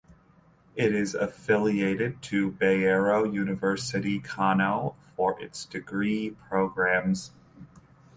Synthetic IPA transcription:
ɪɾɪzəfɪlˠieɪɾɪd̚tʰɨbeɪɛɹoʊjʉnɨvɜ˞sɨɾikʰɑnolˠfə˞ʔɪ̰tsd̥ɨɡɹipʰɹ̥oʊɡɹæ̃mz̥

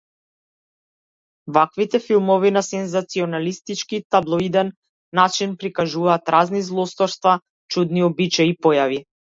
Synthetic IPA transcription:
vakvit̪ɛfilˠmɔvinasɛnzat̪siɔnalist̪it͡ʃkiːt̪ablˠɔid̪ɛnː | at͡ʃinpɾikaʒuvaːt̪ɾʔaznizlˠɔst̪ɔɾst̪va | t͡ʃud̪niɔbit͡ʃaipɔjavi

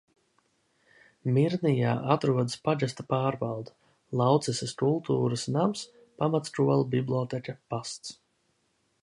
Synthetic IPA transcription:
miɾnija̰ːʔat̪ɾuɔd̪əspad͡ʒast̪apaːɾbalˠd̪a | lˠɑwt̪sɛsaskulˠt̪uːɾasnams | pamat̪st̪ɾuɔlˠbiblʲˠɔt̪ɛkʲapast̪s

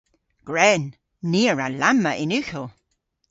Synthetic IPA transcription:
ɡ̥ɹɛːnː | iːəɹalaməʔɪnʉxəlˠ

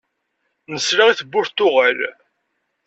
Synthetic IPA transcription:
nəsɾaʁiθəbːʊɾt̪ːʊʁəl

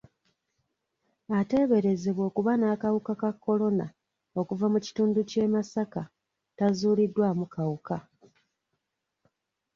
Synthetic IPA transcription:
ate̞βe̞ɾe̞ze̞βwo̞ːkuβanaːkawukakakːo̞lo̞na̰ | o̞kuvamuci̥tuːnduce̞ːmasaka | tazuːlidːwaːmukawuka

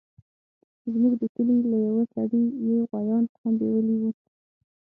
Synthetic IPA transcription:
zmuɡd̪əkəlilajawasaɽijawɣwazɑnhamd̪ḛwəliwu

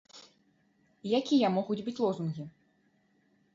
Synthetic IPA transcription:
jakʲijɐmɔɣud͡zʲbɨt͡sʲlˠɔzunɣʲi

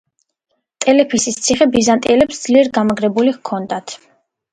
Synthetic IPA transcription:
t̪ʼɛlɛpʰisist̪sʰiχɛbizant̪ʼiɛlɛpsd̪z̥liɛɾɡamaɡɾɛbuliʁkʰɔnd̪at̪ʰ

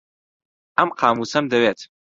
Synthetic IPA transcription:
amqʰaːmusamdaɥatʰ

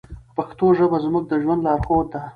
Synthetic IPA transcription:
paxt̪oʒəbazmʊɡ̚d̪əʒwand̪lɑɾxod̪̚a

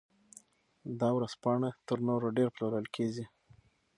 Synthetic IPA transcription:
d̪ɑwɾazpɑɳat̪əɾnoɾoɖeɾploɾəlkʰed͡ʒi

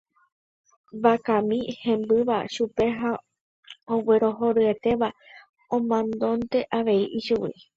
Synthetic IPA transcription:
bakãmĩhẽ̞mbɨʋa̰ʃupe̞ɦa | owe̞ɾo̞ɦo̞ɾɨe̞t̪e̞ʋa | õmãnd̪õ̞nt̪e̞ʔaʋe̞iʔiʃuwḭ

